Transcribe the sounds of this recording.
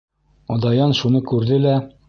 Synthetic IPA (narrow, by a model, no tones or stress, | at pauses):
ɒd̪ɑjɑnʃunɤkʉɾðɘlæ